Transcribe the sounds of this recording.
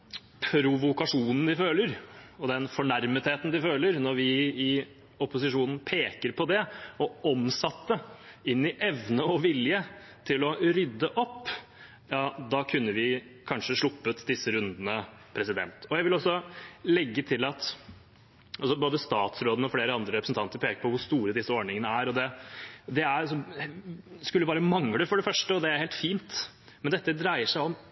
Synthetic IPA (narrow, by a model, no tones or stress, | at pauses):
pʰɾʊʋʊkɑʂuːnn̩d̪ɪføːləɾɔd̪ɛnfɔɳæɾmət̪heːt̪n̩d̪ɪføːləɾnɔɾʋɪɪ | ɔpʊsɪʂuːnn̩pʰeːkəɾpʰɔd̪ɛɔɔmsɑt̪ːəɪnːɪʔɛʋnəɔʋɪljə | t̪ʰɪlɔɾʏd̪ːəʔɔpː | jɑːd̪ɑkʰʉnːəʋɪkʰɑnʂəʂɭʊpːət̪d̪ɪsːəɾʉnd̪ənə | pʰɾɛsɪd̪ɛ̰nt̪ɔjæɪʋɪlɔsːɔlɛɡːət̪ʰɪlɑt̪ | ʔɑlsɔboːd̪əst̪ɑːt̪sɾoːd̪n̩əɔfleːɾəɑnd̪ɾəɾɛpɾəsn̩t̪ʰɑnt̪əɾpʰeːkəɾpʰɔʋʊʂt̪uːɾəd̪ɪsəɔɖɳɪŋənəæɾɔd̪ɛd̪ɛæɾsɔ | skʉlːəbɑːɾəmɑŋɽəfɔɖɛfœʂʈəɔd̪ɛæɾheːlt̪fiːnt̪ | mɛnd̪ɛt̪ːəd̪ɾæɪəʂæɪɔm